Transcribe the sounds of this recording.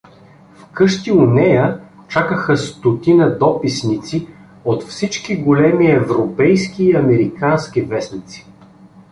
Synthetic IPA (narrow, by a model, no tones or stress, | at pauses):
fkɤʃt̪iʊnɛjə | t͡ʃakəxəst̪ot̪inəd̪ɔpisnit̪si | ot̪fsit͡ʃkiɡolɛmiɛvɾopɛjskiːɐmɛɾikansk̟ivɛsnit̪si̥